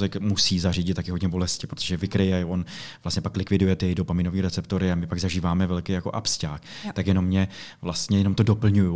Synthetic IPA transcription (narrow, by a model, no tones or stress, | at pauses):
zɛkmusiːzar̝iːɟɪt̪t̪ːakɪɦodɲɛbo̞lɛscɪpɾot̪oʒ̥ɛvɪkɾɪjɛonvlast̪ɲɛpaklɪkvɪdujɛt̪ɪjɛjdopamɪnoviːɾɛt͡sɛpt̪o̞ɾɪamɪpaɡzaʒiːvaːmɛvɛlkejako̞ʔapscaːkt̪akjɛnomɲɛvlast̪ɲɛjɛno̞mt̪odopl̩ɲuju